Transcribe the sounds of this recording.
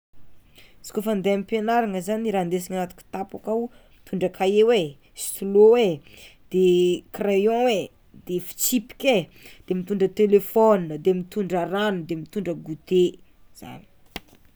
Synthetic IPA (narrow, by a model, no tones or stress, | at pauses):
si̥kofand̪eamipenaɾaŋəzaniɾand̪es̬iŋanat̪u̥kʲi̥t̪apakawmit̪uɳɖ͡ʐəkʰaewe | si̥t̪ulowe | d̪̥ekrejõwe | d̪̥efi̥t͡sipi̥kʲed̪̥emit̪uɳɖ͡ʐət̪elefɔninəd̪emit̪uɳɖ͡ʐəɾanud̪emit̪uɳɖ͡ʐəɡut̪e | z̥a̰ni̥